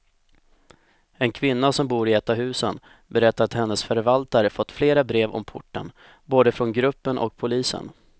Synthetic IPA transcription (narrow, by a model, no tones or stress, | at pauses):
ɛnkʰvɪnːasɔmbuːɾɪɛːt̪ːaɦʉ̟ːsən | bɛɾɛt̪ːaɾat̪hɛnːəsfœɾvalt̪aɾəfɔt̪ːfleːɾabɾeːvɔ̰mpʰʊʈːə̰n | boːd̪əfɾɔnɡɾɵpːənʔɔ̰k̚pʰʊliːsə̰n